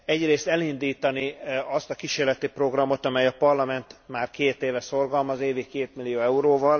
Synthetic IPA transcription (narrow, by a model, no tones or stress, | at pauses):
ɛɟreːst̪ɛlind̪iːt̪ɒniɒst̪ɒkiʃeːrlɛt̪ipro̞ɡrɒmo̞t̪ɒmɛjɒpɒrlɒmɛnt̪maːrkeːt̪eːvɛso̞rɡɒlmɒzeːvikeːt̪milːijoːɛuɾoːvɒl